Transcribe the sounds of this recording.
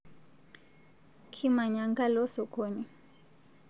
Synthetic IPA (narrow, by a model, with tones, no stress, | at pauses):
kʰi˦ma˨ɲa˨ŋɡa˦lɔ˦sɔ˨kɔ˦ni˦